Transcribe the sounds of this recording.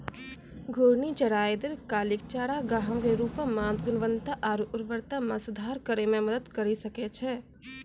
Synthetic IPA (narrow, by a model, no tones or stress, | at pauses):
ɡʱoːɽnit͡ʃɐɽaːjd̪ɪɾkaːlɪk̚t͡ʃaːɾaɡaːɦə̃keɾuːpamãːt̪ɡʊnəʋə̃nt̪aʔaːɾuʔʊɾʋəɾt̪amãsʊd̪ʱaːɾkəɾemẽmɐd̪əd̪kɐɾisɐket͡ʃʰɛ